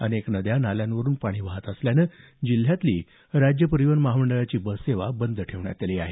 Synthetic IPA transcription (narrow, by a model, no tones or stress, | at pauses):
əneknəd̪janaljãnʋəɾuːnpaɽ̃iːʋ̤aɦət̪əsljanə | d͡ʑil̤ːjat̪liː | ɾad͡ʑjəpəɾiʋənməɦaməɳɖəɭat͡ɕiːbəseʋabənd̪ʱʈʰeʋɳja̰t̪eliːaɦe